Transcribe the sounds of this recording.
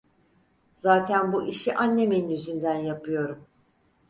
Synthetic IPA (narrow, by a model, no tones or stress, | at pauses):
zaːt̪ʰænbuʔiʃiʔanːe̞meninyzynd̪ænjapʰɯjo̞ɾum